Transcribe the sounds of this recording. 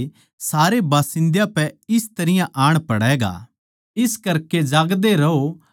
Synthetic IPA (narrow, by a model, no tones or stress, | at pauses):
saːɾebaːsɪ̃nd̪japɛɪst̪ɐɾɪjãʔaːɽ̃pɐɽɛːɡa̰ː | ɪskɐɾked͡ʒaːɡd̪eɾɐo